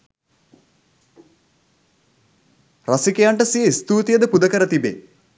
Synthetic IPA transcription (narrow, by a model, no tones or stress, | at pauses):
rasikejaɳʈəsijəist̪uːt̪ijəd̪əpud̪əkəɾət̪ibḛ